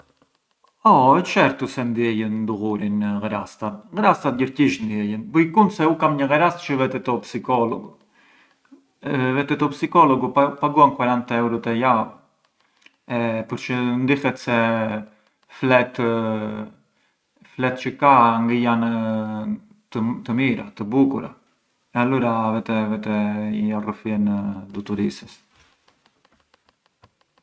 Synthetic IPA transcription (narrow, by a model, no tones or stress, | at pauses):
ɔɛt͡ʃɛɾt̪usɛnd̪jɛjənd̪uɣuɾinɣɾast̪at̪ɣəɾast̪at̪̚jəɾciʃnd̪jɛjənbujkunsɛukamɲəɣəɾast̪t͡ʃəvɛt̪ɛt̪ɔpsikɔlɔ̰ɡu | vɛt̪ɛt̪ɔpsikɔlɔɡupapaɡuankwaɾant̪ɛwɾɔt̪ɛja | ɛpəɾt͡ʃənd̪ifɛt̪sɛ | flɛt̪ | flɛt̪t͡ʃəkaŋɡəjan | t̪ət̪əmiɾa̰t̪əbukuɾa̰ | ɛaluɾavɛt̪ɛvɛt̪ɛijarəfɛnd̪ut̪uɾisɛs